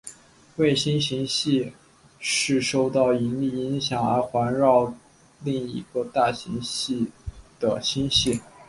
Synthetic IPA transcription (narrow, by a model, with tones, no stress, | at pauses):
we˥˩ɪɕi˥nɕi˧˥ŋɕi˥˧ | ʂɻ̩˥˧ʂo˥˧ʊt̪ɑ˥˩ʊi˧˥nli˥˩i˧˥ŋɕjɑ˨˩ŋə̰˞˧˥xwa˧˥nɻɑ˥˧ʊ | li˥˩ŋḭ˧˥ɡə˧t̪a˥˩ɕi˧˥ŋɕi˥˩d̪̥ə˩ɕi˥nɕi˥˩